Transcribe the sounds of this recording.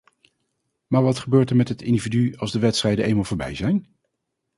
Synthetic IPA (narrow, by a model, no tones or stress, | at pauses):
maːɹʋɑtχəbøːɹtəɹmɛtɦətɪndividyɑlˠzdəʋɛtstrɛjdənejnmalˠvʊːɹbɛ̰jzɛjn